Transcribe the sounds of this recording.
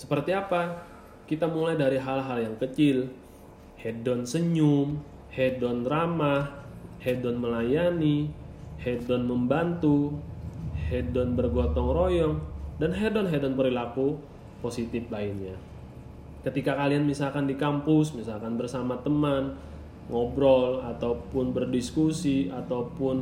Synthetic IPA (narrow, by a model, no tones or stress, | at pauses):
sə̥pərt̪iapa | kit̪amulajdaɾiɦalɦaljaŋkət͡ʃɪl | hedɔnsəɲum | hedɔnramahhedɔnməlajanihedɔnməmbant̪u | hɛdɔnbərɡɔt̪ɔŋrojɔŋdanɦedɔnɦɛdɔnpəɾilaku | posit̪ɪplainɲa | kət̪ikakalianmisalkandikampusmisalkanbərsamat̪əman | ŋɔbɾɔlat̪awpʊnbərdiskusiat̪aupʊn